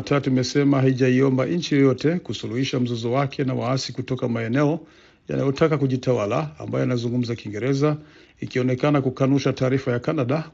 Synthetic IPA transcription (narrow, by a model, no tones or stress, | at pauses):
tatuimɛsɛmaɦaiʄaiɔmbaʔiɲ̩t͡ʃijɔjɔtɛkusuluhiʃam̩zɔzɔwakʰɛnawaasikutɔkamaɛnɛɔ | ja̰na̰jɔtakakuʄitawala̰ːmbajɔanazuŋɡum̩zakiŋɡɛɾɛza | ikiɔnɛkanakukanuʃataːɾifajakanaɗa